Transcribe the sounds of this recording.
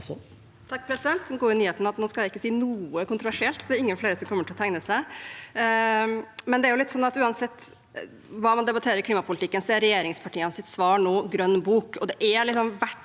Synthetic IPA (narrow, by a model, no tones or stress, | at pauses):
t̪ʰɑk̚ːpʰɾɛsɪd̪ɛnt̪ɡuːɪnyːheːt̪nɑɑt̪noːskɑlæɪɪkːəsiːnuːəkʊnt̪ɾʊʋæʂɪɛlt̪sɔd̪ɛɾɪŋːənfleːɾəsɔmkʰɔmːəʈɪlɔt̪ʰæŋnəsæɪ | mɛnd̪ɛæɾjʊlɪt̪ːsɔnːɑt̪ʉːɑnsɛt̪ː | ʋɑːmɑnd̪ɛbɑt̪ʰeːɾəɾɪkʰliːmɑpʰʊlɪt̪ɪkːənsɛɾɛjeːɾɪŋspʰɑʈʰiːənsɪt̪sʋɑːɳoːɡɾœnːbuːkɔd̪ɛʔælɪksɔmʋæʈ